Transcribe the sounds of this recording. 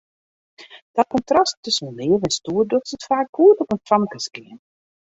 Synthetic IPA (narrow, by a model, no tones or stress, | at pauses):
d̥ɔt̚kɔntrastʰːʏsən̩lɪəvɛnstuːərdøxtsətfaːk̚ɡuətɔpəntamkəskɪən